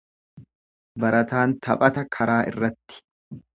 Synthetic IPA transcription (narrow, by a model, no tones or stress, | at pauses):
bɐɾɐt̪aːnt̪ʰɐpʼɐt̪ɐkʰɐɾaːʔɪ̰rːɐt̪ːɪ̥